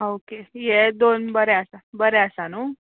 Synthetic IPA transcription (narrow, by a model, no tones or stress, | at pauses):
okejed̪onbəɾɛəsabəɾɛəsanuː